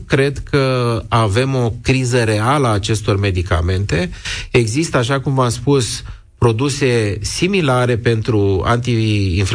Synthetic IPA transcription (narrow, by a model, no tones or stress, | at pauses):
kɾe̞d̪kəave̞mo̞kɾizəɾe̞aləaːt͡ʃe̞st̪o̞rme̞d̪ika̰me̞nt̪e̞eɡzist̪əaʃakumvaspus | pɾo̞d̪use̞similaɾe̞pe̞nt̪ɾua̰nt̪iːnf